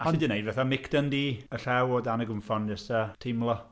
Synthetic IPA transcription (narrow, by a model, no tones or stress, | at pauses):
aɔnidinejdvɛθamɪkʰd̥əndiːəɬɛwɔdanəɡʊmfɔnd͡ʒɛsatʰɪmlˠɔ